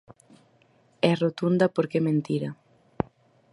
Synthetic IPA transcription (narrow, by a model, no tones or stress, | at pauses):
ɛrot̪und̪ɐpoɾkemẽnt̪iɾɐ